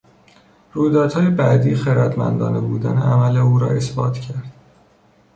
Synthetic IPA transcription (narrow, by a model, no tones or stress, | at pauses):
ɾuːd̪ɒːt̪hɒːjebæd̪iːxeɾæd̪mæ̰nd̪ɒ̰ːnebuːd̪æ̰neʔæmæle̞uːɾɒ̰ːe̞sbɒːt̪ʰcʰæɾd̪̥